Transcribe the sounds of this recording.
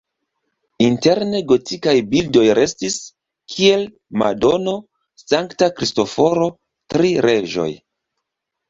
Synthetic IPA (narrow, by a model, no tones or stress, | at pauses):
inte̞ɾne̞ɡo̞tikajbildo̞jɾe̞stis | kʰie̞l | ma̰do̞no̞ | saŋktakɾisto̞fo̞ɾo̞ | tɾiɾe̞ʒo̞̰j